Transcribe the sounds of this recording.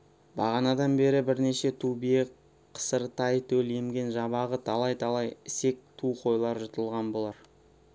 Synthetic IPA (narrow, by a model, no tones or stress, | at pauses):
bɑʁɑnɑd̪ɑnbe̞ɾɪbɪɾne̞ʃe̞t̪ʰubije | qʰə̥səɾt̪ɑjt̪ʰɵle̞mɡʲe̞nʒɑβɑʁət̪ʰɑlˠɑjt̪ʰɑlˠɑjɪse̞k̚t̪ʰuqʰo̞jlˠɑɾʒət̪əlˠʁɑnbo̞lˠɑɾ